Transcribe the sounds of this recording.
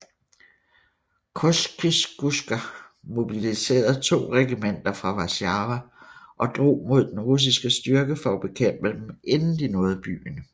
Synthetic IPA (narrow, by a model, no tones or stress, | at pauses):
kʰosɡ̥isɡ̥usɡ̥æ | mo̝b̥ilise̝̰ːɐð̩ˠt͡sʰo̝̰ːʁɛɡ̥imen̰d̥ɐfʁɑ̈ʋæsɑʋæʔɒ̽d̥ʁo̝̰ːmo̝ð̞̰ˠd̥enʁus̬isɡ̥əsd̥ɶɐɡ̥əfɒ̽ɒb̥e̝kʰem̰b̥əd̥emʔe̝nn̩d̥inɔ̽ːð̞̩ˠb̥y̰ːnə